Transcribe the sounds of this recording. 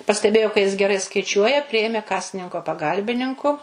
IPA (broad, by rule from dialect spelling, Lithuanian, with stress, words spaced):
pɐsʲtʲɛˈbʲeːjoː kɐ jɪs ɡʲɛˈrɐɪ skɐɪˈt͡ʃʲuɔjɛ ˈpʲrʲɪjeːmʲeː ˈkɑːsʲɪnʲɪŋkoː pɐˈɡɐlʲbʲɪnʲɪŋkʊ